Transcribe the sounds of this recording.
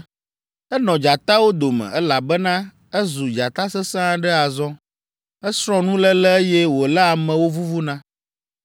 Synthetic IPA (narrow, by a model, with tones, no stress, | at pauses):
ɛ˦nɔ̃˨d͡ʒa˨t̪a˦wo˦d̪o˨mɛ̰̃˨ɛ˦la˨bɛ˦nã˦ | ɛ˦zu˨d͡ʒa˨t̪a˦sɛ˦sã˦ɖɛ˦a˨zɔ̃˦ | ɛ˦sɾ̃ɔ̃˦nũ˦lɛ˦lɛ˦e˦jɛ˦wo˨lɛ˦a˨mɛ̃˨wo˦vu˦vu˦nã˦